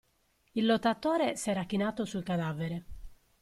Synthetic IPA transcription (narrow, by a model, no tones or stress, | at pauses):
ilːɔt̪ːat̪ɔːɾesɛːɾak̟ːinaːt̪osulkad̪aːveɾe